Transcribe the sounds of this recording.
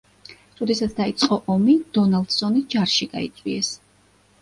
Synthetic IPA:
ɾɔd̪ɛsat̪sʰd̪ait̪sʼqʼɔʔɔmid̪̥ɔnalˠd̪̥z̥ɔnid͡ʒaɾʃiɡ̥aḭt̪sʼwiɛs

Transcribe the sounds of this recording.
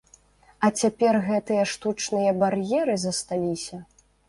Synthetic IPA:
ɐt͡sʲapʲɛrɣɛt̪ɨjɐʂt̪ut͡ʂnɨjɐbarjɛɾɨzɐst̪alʲisʲɐ

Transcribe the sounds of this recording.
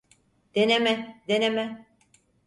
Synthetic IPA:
d̪̥enemɛd̪enemɛ

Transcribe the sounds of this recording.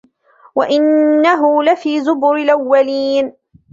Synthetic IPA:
waʔɪnːaɦʊlafiːzʊbʊɾɪlʔawːaliːn

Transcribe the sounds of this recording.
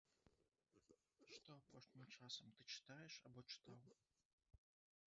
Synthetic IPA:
ʂt̪ɔɐpɔʂnʲɪmt͡ʂasɐmt̪ɨt͡ʂɨ̥t̪ajɛʂa̰bɔt͡ʂɨ̥t̪aw

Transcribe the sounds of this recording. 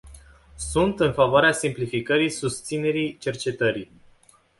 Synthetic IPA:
sunt̪ɨnfavoaɾeasimplifikəɾijsust̪sine̞ɾijt͡ʃe̞rt͡ʃe̞t̪əɾij

